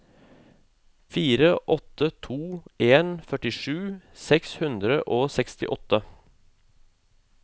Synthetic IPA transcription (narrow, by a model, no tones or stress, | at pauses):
fiːɾəʔɔt̪ət̪ʰuːʔeːnfœʈɪʃʉːsɛkshʉnd̪ɾəʔoːsɛkst̪ɪ̰ʔɔt̪ə